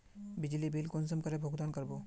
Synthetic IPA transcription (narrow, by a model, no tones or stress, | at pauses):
bid͡ʒlibilkonsəmkəɾebʱoɡd̪ankəɾbo